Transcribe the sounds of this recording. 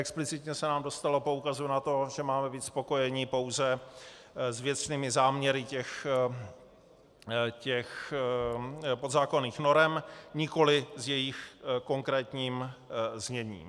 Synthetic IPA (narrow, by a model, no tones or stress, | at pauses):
ʔɛksplɪt͡sɪt̪ɲɛsɛnaːmdo̞st̪alo̞po̞ukazunat̪o̞ʒɛmaːmɛbiːt̪spo̞ko̞jɛɲɪpo̞wzɛ | zvjɛt̪t͡sniːmɪzaːmɲɛɾɪcɛx | cɛx | pod̪zaːko̞niːxno̞ɾɛmɲɪko̞lɪzjɛjɪxko̞ŋkɾɛːt̪ɲiːmzɲɛɲḭːm